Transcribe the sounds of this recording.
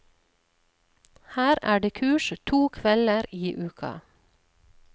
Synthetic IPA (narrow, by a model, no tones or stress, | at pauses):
hæːɾæ̰ːɖeːkʰʉːʃt̪ʰuːkʰʋɛləɾiːʔʉːkʰɑ̰